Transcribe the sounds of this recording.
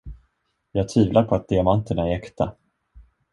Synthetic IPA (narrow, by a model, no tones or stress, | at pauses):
jɑːɡ̚t̪ʰviːvlaɾpʰɔat̪̚d̪ɪamant̪əɳaɛɾɛkt̪a